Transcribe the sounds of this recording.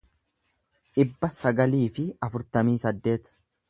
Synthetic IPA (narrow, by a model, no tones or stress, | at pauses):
ʔɪbːɐsɐɡɐliːfɪɐfʊɾt̪ɐmiːsɐd̪ːe̞ːt̪